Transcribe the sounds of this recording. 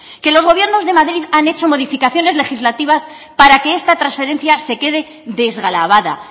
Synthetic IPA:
ke̞lo̞zɣo̞βje̞ɾno̞zðe̞maðɾiðane̞t͡ʃo̞mo̞ðifikaθjo̞ne̞zle̞xizlat̪iβas | paɾake̞est̪at̪ɾansfe̞ɾe̞nθjase̞ke̞ðe̞ | ðe̞zɣalaβaða̰

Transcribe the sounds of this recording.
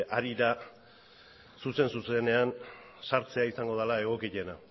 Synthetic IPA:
ʔaɾiɾa | suse̞nsuse̞ne̞an | saɾt͡se̞aisaŋɡo̞ð̞alae̞ɣ̞o̞kiʎe̞na

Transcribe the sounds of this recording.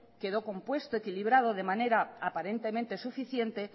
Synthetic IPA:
ke̞ð̞o̞ko̞mpwe̞st̪oekiliβ̞ɾað̞o̞ð̞e̞mane̞ɾaapaɾe̞nt̪e̞mẽnt̪e̞sufiθje̞nt̪e̞

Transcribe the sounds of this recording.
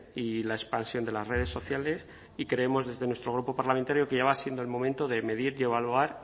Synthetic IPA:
ilaespansjo̞nd̪e̞lasre̞ð̞e̞sːo̞θjale̞s | ikɾe̞emo̞zðe̞zðenwest̪ɾo̞ɣ̞ɾupo̞paɾlament̪aɾjo̞keʝaβasje̞nd̪olmõ̞mẽnt̪o̞ðe̞me̞ðiɾe̞β̞aluaɾ

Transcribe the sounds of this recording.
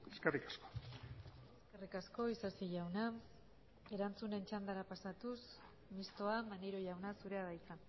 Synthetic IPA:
eskerikḁsko̥ | eske̞rikasko̞isasiʝawna | e̞ɾant͡sune̞nt͡ʃand̪aɾapasat̪us | mist̪o̞amaneɾo̞ʝawnasuɾe̞aðajt͡sa

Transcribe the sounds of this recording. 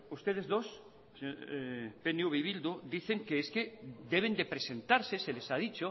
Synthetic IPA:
ust̪eð̞ezðos | penjuβiβild̪ud̪iθeŋkeesked̪eβ̞end̪epɾesẽnt̪aɾseselesað̞it͡ʃo

